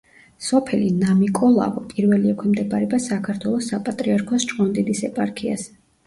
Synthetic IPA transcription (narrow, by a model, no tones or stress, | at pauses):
sɔpʰɛlinamikʼɔlˠa̰vɔpʼiɾvɛliɛkʷʰɛmd̪ɛbaɾɛbasakʰaɾt̪ʰwɛlˠɔsːapʼat̪ʼɾiaɾkʰɔst͡ʃʼqʼɔnd̪id̪isɛpʼaɾkʰia̰s